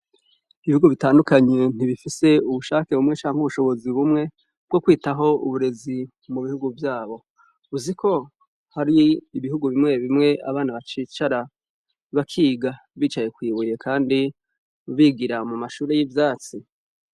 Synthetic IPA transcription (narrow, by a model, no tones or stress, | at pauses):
iβihuɡuvitaːndukaɲe̞n̥iβifise̞uβuʃaːke̞βumŋe̞t͡ʃaːŋhuβuʃo̞βo̞ziβumŋe̞ | b̥̚ɡo̞kwiːtaɦo̞uβuɾe̞zi | muβihuɡuvjaːβo̞ | uzikʰo̞ | haɾiːβihuɡuβimŋe̞βimŋe̞ʔa̰βaːnaβat͡ʃiːt͡ʃaɾa | βakʰiːɡa | βiːt͡ʃaje̞kwiːβuje̞kʰaːndi | βiːɡiɾamumaʃuːɾe̞jivjaːt͡si